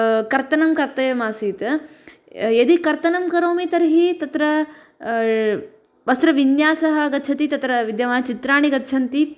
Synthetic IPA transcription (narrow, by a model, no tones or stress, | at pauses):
kɐɾt̪ɐnɐmkɐɾt̪ɐjɐmaːsiːt̪ɐ | jɐd̪ikɐɾt̪ɐnɐmkɐɾoːmit̪ɐɾɦit̪ɐt̪ɾɐ | ʋɐst̪ɾɐʋinjaːsɐɦɐɡɐt̪ːt͡ʃʰɐt̪it̪ɐt̪ɾɐʋid̪jɐʋaːt͡ʃit̪ɾaːɳiɡɐt̪ːt͡ʃʰɐnt̪i